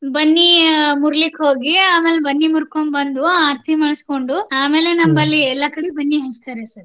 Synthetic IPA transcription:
bɐnːimuɾlikɦoːɡiaːmeːlebɐnːimuɾkombɐnd̪uaːɾt̪ʰimaːɽsko̞ɳɖuaːme̞ːle̞nɐmbɐlːiɛlːɐkɐɽibɐnːiɦɐst̪aːɾesɐɾ

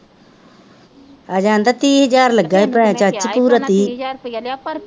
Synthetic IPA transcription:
ad͡ʒãːnd̪ɐt̪iːɦəd͡ʒaːɾləɡaːipɾãt͡ʃat͡ʃpuːɾət̪iː

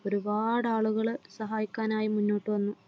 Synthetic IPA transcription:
o̞ɾubaːɽaːɭuɣɐɭsɐɦaːjikʲːaːnaːjimunːo̞ːʈːɨʋɐnːu

